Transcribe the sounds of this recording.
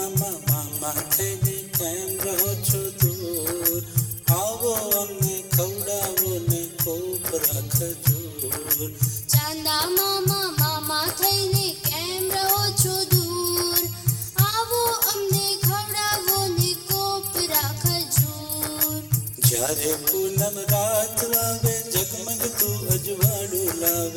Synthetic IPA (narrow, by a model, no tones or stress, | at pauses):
mãmamat̪ʰəinekɛmɾəɦot͡ʃʰod̪uɾaʋoəmnekʰəʋɽaʋonekopɾakʰəd͡ʒu | ɾt͡ʃãnd̪amamãmãmãt̪ʰəinekɛmɾəɦot͡ʃʰod̪uːɾ | aːʋoəmnekʰəʋɽaːʋonekopɾaːkʰəd͡ʒu | ɾ | d͡ʒjaɾet̪uləmɾaːt̪ʰlaːʋed͡ʒəɡməɡt̪uəd͡ʒʋaːɽuːlaːʋ